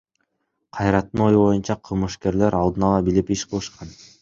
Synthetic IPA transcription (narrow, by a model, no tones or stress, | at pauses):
qʰɑjɾɑt̪ːɯno̞juβo̞junt͡ʃɑqʰɯlˠmɯʃke̞ɾle̞ɾɑlˠd̪ɯnɑlˠɑbilipiʃqʰɯlˠɯʃqɑn